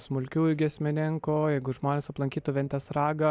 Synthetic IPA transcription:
smʊlʲkʲuːɡʲiɛsʲmʲɪnʲɪŋkoːjɛɪɡʊʒmoːnʲeːsɐplˠɐŋʲkʲiːt̪ʊʋʲɛnʲt̪ʲɛːsɾɑːɡɐ

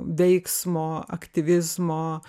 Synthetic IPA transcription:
ʋʲɛɪksmoːɐ̰kt̪ʲɪʋʲɪzmoː

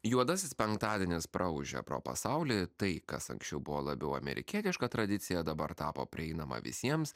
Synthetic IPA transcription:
juɔd̪ɐsʲɪspʲɛŋkt̪ɑːd̪ʲiɛnʲɪspɾʔɐʊʒʲɛ̰pɾo̰ːpɐ̰sɑʊlʲɪt̪ɐɪkɐsɐ̰ŋksʲt͡ʃʲɛʊbʊʋoːlˠɐbʲɛʊɐ̰mʲɛ̰ɾʲɪ̰kʲiɛt̪ʲɪʃkɐt̪ɾɐd̪ʲɪt̪sʲɪjɛd̪ɐbɐɾt̪ɑːpo̰ːpʲɾʲɪɛɪnɐmɐ̰ʋʲɪ̰sʲiɛms

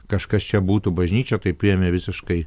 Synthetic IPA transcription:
kɐʃkɐst͡ʃʲɛbuːt̪ubɐʒʲnʲiːt͡ʃʲɛt̪ɐɪpʲʊjɛmʲɛʋʲɪsʲɪʃkɐɪ

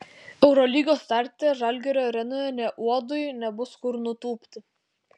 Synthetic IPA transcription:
ɛʊɾɔlʲiːɡoːst̪ɑˑɾʲt̪ʲeʒɑlʲɡʲɛɾʲoːɾʲɛnojɛnʲɛʔuɔd̪ʊjnʲɛbʊskʊɾnʊt̪uːpʲt̪ʲɪ

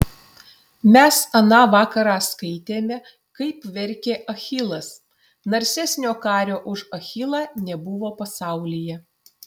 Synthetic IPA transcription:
mʲɛsɐnɑːʋɑːkɐɾɑːskɐɪt̪ʲeːmʲɛ | kɐɪpʋʲɛɾʲkʲeːʔɐxʲɪlˠɐs | nɐɾʲsʲæsʲnʲoːkɑːɾʲoːʔʊʃɐxʲɪlˠɑːnʲɛbʊʋoːpɐsɑˑʊlʲɪjɛ

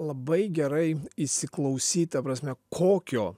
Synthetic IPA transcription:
lˠɐbɐɪɡʲɛɾɐɪisʲɪklˠɐʊsʲiːt̪ɐpɾɐsʲmʲɛkʰoːkʲoː

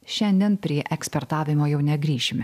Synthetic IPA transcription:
ʃʲɛnʲd̪ʲiɛnpʲɾʲiɛʔɛksʲpʲɛɾt̪ɑːʋʲɪmoːjɛʊnʲɛɡɾʲiːʃʲɪmʲ

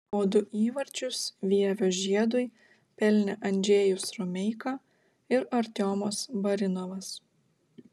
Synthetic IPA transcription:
oːd̪ʊʔiːʋɐɾʲt͡ʃʲʊsʋʲiːɛʋʲoːʒʲiɛd̪ʊj | pʲɛlʲnʲɛʔɐnʲd͡ʒʲeːjʊsɾɔmʲɛɪkɐ | ɪɾɐɾʲt̪ʲoːmoːsbɐɾʲɪnɔʋɐs

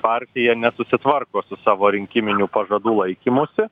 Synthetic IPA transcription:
pɑɾʲt̪ʲɪjɛnʲɛsʊsʲɪt̪ʋɐrkoːsʊsɑːʋoːɾʲɪŋʲkʲɪmʲɪnʲuːpɐʒɐd̪uːlˠɐɪkʲiːmʊsʲɪ

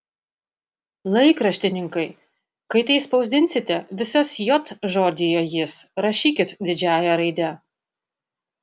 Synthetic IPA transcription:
lˠɐɪkɾɐʃʲt̪ʲɪnʲɪŋkɐɪ | kɐɪt̪ɐɪspɒʊzd̪ʲɪnʲsʲɪt̪ʲɛʋʲɪsosjɔt̪ʒoːd̪ʲɪjojɪsɾɐʃʲiːkʲɪt̪d̪ʲɪd͡ʒʲæːjɛɾɐɪd̪ʲɛ

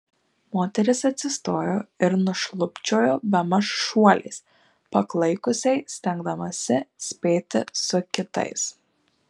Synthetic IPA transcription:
moːt̪ʲɛɾʲɪsɐt̪ʲsʲɪst̪oːjoːɪɾnʊʃlˠʊpʲt͡ʃʲoːjoːbʲɛmɐsʃuɔlʲɛ̰ɪs | pɐklˠɐɪkʊsʲɛɪsʲt̪ʲɛŋɡd̪ɐmɐsʲɪsʲpʲeːt̪ʲɪsʊkʲɪt̪ɐ̰ɪs

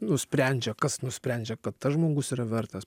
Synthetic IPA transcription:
nʊsʲpʲɾʲɛnʲd͡ʒʲɛkɐsnʊsʲpʲɾʲɛnʲd͡ʒʲɛkɐt̪t̪ɐʒmoːɡʊsiːɾɐʋʲɛɾt̪ɐs

